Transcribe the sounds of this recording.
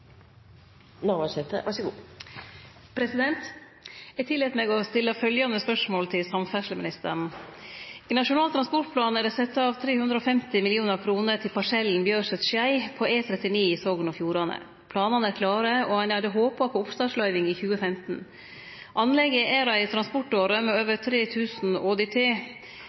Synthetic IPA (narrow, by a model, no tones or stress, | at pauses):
noʋɑsɛt̪ə̰ʋɑʂɡuː | pʰɾɛsɪd̪ɛnt̪ | æɪt̪ʰɪlːɛːt̪meːɡɔst̪ɪlːəfœljɑnəspœʂmoːlt̪ʰɪlsɑmfæʂləmɪ̰nɪst̪ə̰ɳ̩ | iːnɑʂʊnɑːlt̪ʰɾɑnspɔʈ̚pʰlɑːnæɾɖɛsɛt̪ːɑɑʋt̪ʰɾeːhʉnd̪ɾəɔːfɛmt̪ɪmɪlɪuːnəɾkʰɾuːnəɾt̪ʰɪlpʰɑʂɛln̩bjøːɾʂɛt̪ʃjæɪpʰɔʔeːt̪ʰɾɛt̪ɪniːɪsoːɡnɔfjuːɾɑnə̰ | pʰlɑːnɑnæɾkʰlɑːɾəɔhɑnɑd̪əɦoːpɑpʰɔʊpst̪ɑːʂlɑʏʋɪŋiçʉːəfɛmt̪n̩ | ʔɑnːlɛɡəʔæɾɑɪt̪ʰɾɑnspɔʈoːɾəmɛøːʋəɾt̪ʰɾeːt̪ʰʉːsn̩oːd̪ɛt̪ʰeː